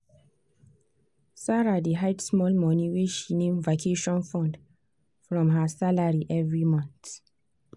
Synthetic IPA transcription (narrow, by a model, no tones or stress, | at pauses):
saɹadiɦaɪtsmɔlmɔniwiʃinẽmvakʰeʃɔ̃nfɔ̃nd | fɹɔ̃mɦasalaɹiʔɛvɹimɔ̃nθ